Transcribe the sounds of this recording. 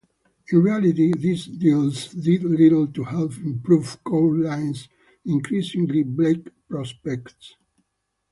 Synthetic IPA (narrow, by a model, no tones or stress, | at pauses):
ĩnɹialit̪iðisd̪ilsdidliɾəl̩t̪uhɛlfĩmpɹuvkʰoʊlãɪ̃ns | ĩŋkʰɾisĩŋɡliblekpɹɔspɛkt̪s